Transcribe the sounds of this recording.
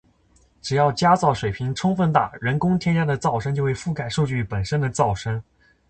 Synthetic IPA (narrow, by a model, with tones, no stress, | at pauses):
ʈ͡ʂɻ̩˨˩jɑ˥˩ʊt͡ɕja˥t͡sɑ˥˩ʊʂwe˨˩ɪpʰi˧˥ŋʈ͡ʂʰʊ˥ŋfə˥˧nt̪a̰˥˩ɻə˧˥nkʊ˥ŋt̪ʰjɛ˥nt͡ɕja˥d̪ə˨t͡sɑ˥˩ʊʂə˥nt͡ɕjo˥˧ʊxwe˥˧˩fu˥˩ka˥˨˩ɪʂu˥˧t͡ɕy˥˩pə˨˩nʂə˥nd̪ə˨t͡sɑ˥˩ʊʂə˥n